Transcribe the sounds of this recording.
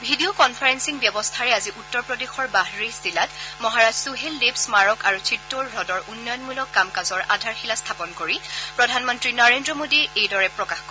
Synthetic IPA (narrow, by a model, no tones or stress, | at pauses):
bʱidiokɔnpʰaɹensiŋbjɔbɔst̪ʰaɹɛaziʔutːɔɹpɹɔdexɔɹbaɦɹisilatmɔɦaɹazsuɦelːepsmaɹɔkaɹutʰɹitːoɹɹɔdɔɹʔunːɔjɔnmulɔkːamkazɔɹʔa̰dʱaɹxilast̪ʰapɔnkoɹipɹɔdʱanmɔntɹinaɹendɹɔmodiejdɔɹɛpɹɔkaxk